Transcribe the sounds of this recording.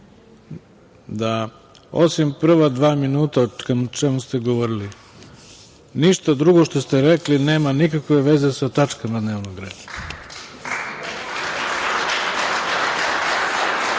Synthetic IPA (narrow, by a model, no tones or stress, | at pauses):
d̪a | osimpr̩ʋad̪ʋaːminuːt̪aokamut͡ʃemust̪e̞ɡo̞ʋoɾili | niʃt̪ad̪ɾuɡo̞ʃt̪o̞st̪eɾekline̞ːmanikakʋe̞ʋe̞ze̞sat̪at͡ʃkamad̪neːʋnoɡɾe̞̰ːd̪a